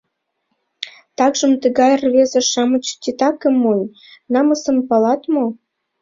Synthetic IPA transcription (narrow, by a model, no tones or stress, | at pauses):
t̪ɑkʒə̆mt̪əɡɑjrβezĕʃɑmə̆t͡ɕt̪ʲit̪ɑkə̆mːunʲ | nɑmə̆sə̆mpɑlɑt̪mo